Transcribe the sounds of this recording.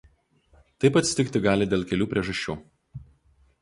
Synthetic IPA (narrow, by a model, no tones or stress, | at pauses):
t̪ɐɪpɐt̪ʲsʲt̪ʲɪkt̪ʲɪɡɑːlʲɪd̪ʲeːlˠkʲɛlʲuːpʲɾʲiɛʒɐʃʲt͡ʃʲuː